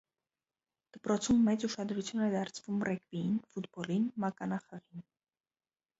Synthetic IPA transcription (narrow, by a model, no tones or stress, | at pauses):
d̪̥əpɾɔt͡sʰumːɛt͡suʃɑd̪ɾut͡sʰjunɛd̪ɑɾt͡sʰvumrɛkviinfut̪bɔlinmɑkɑnɑχəʁin